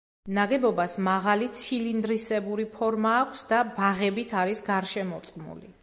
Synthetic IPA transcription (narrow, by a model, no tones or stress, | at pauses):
naɡɛbɔbasmaʁalit̪sʰilind̪ɾisɛbuɾipʰɔɾmaːkʷʰsd̪abaʁɛbit̪ʰaɾisɡaɾʃɛmɔɾt̪ʼqʼmṵlḭ